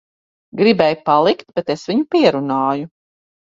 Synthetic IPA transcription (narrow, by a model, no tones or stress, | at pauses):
ɡɾibɛjpalˠikt̪̚bet̪esviɲupiɛɾunaːju